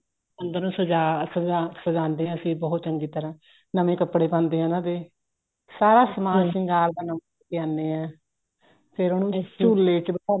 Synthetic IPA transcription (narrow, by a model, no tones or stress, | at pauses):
ənd̪əɾũːsəd͡ʒaːsəaːsəd͡ʒãːnd̪eːɦɛ̃ːəsĩːbɔːɦʊt̪t͡ʃəŋɡiːt̪əɾãː | nəmẽːkəpːɽeːpãːnd̪eːɦãːnãːd̪eː | saːɾaːsəmaːlsɪ̃ŋɡaːld̪aːnəməkɪjãːnːeːɛ̃ː | pʰɪɾonũːt͡ʃuːlːeːt͡ʃb